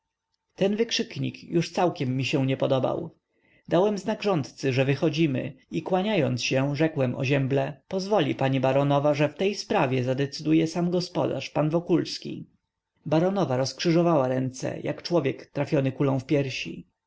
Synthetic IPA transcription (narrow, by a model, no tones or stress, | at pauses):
t̪ɛnvɘkʂɘkɲḭkjuʂt̪sawkʲɛmːiɕɛ̃w̃ɲɛpɔd̪ɔba̰w | d̪awɛmznaɡʐɔnt̪t̪sɘʐɛvɘxɔd͡ʑimɘ̰ikwaɲajɔnt̪sɕɛ̃wʐɛkwɛmɔ̰ʑɛmblɛpɔzvɔlʲḭpaɲibaɾɔnɔvaʐɛft̪ɛjspɾavʲjɛzad̪ɛt̪sɘd̪ujɛsamɡɔspɔd̪a̰ʂpanvɔkulskʲḭ | baɾɔnɔvaɾɔskʂɘʐɔvawaɾɛnt̪sɛ̰jʔa̰kt͡ʂwɔvʲjɛkt̪ɾafʲjɔnɘkulɔ̃w̃fpʲjɛɾɕḭ